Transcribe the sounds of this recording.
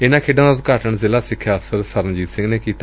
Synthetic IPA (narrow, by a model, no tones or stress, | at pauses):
ɪnãːkʰeːɖãakaɾʈəɳzɪːlaːsɪkʰːjaːəfsəɾsəɾənd͡ʒiːt̪sɪ̃ŋɡneːkiːt̪a